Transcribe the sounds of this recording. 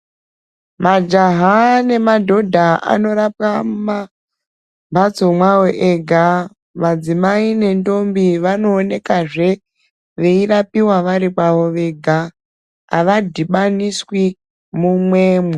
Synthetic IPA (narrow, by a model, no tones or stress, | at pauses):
mad͡ʒaɦane̞madʱo̞dʱaa̰no̞ɾapamma | bʱat͡somwawoʔeɡʱa | mad͡zimaine̞ndo̞mbiʋano̞ːne̞kaʐe̞ | ʋe̞irapiwaʋaɾikwaʋo̞ʋe̞ɡʱa̰ː | ʋadʱiɓaniswi | mumwe̞ːmwe